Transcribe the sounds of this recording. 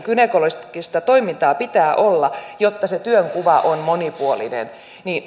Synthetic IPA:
kynekoloskist̪ɑt̪oimint̪ɑːpit̪æːʔolːɑjot̪ːɑset̪yøŋkuʋɑʔonmonipuolḭnḛn | niːn

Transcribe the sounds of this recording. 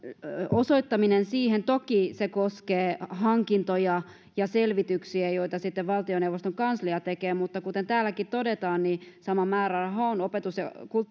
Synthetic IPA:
osoit̪ːɑminensiːhent̪okisekoskeːhɑŋkint̪ojɑ | jɑselʋit̪yksiæjoit̪ɑsit̪ːeʋʋɑlt̪ioneuʋost̪oŋkɑnsliɑt̪ekeːmut̪ːɑkut̪ent̪æːlækit̪t̪odet̪ɑːnnisɑmɑmæːrɑrɑɦɑonopet̪usjɑ̰kul

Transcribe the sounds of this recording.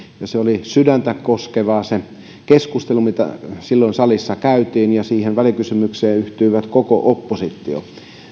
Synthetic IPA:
jɑseolisydænt̪ækkoskeʋɑːse | keskust̪elumit̪æ̰silːoinsɑlisːɑkæyt̪iːnjɑsiːhenʋælikysymykseːyht̪yiʋæt̪koko̰ʔopːosit̪ːio̰

